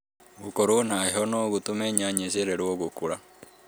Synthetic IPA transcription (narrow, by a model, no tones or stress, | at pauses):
ɣukoɾonaiɦɔnoɣutumeɲaɲeʃeɾeɾwɔɣokuɾa